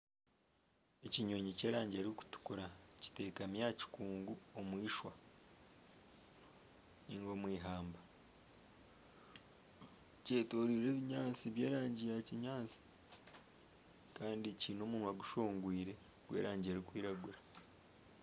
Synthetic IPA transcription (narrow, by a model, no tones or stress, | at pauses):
e̞ciɲo̞ːɲice̞ːɾaːɲɟeɾiku̥tu̥kuɾaci̥te̞ːkamjaːci̥kuːŋɡuomwiːʃwa | niŋɡo̞mwiːɦaːmba | ceːtoːɾiɾe̞ːβiɲaːnt͡siβje̞ːɾaːɲɟijaciɲaːnt͡si̥ | kaːndiciːno̞ːmuːnwaɡuʃoːŋɡwiːɾe̞ | ɡwe̞̰ːɾaːɲɟeɾikwiːɾaɡuɾḁ